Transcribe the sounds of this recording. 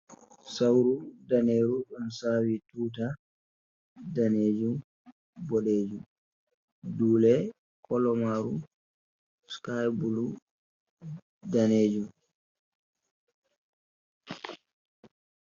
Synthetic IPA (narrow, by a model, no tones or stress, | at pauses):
sawɾudaneːɾuɗɔnsaːwituːt̬a | daneːd͡ʒum | bɔɗeːd͡ʒum | duːlɛ | kʰɔlɔmaɾu | skajbulu | daneːd͡ʒum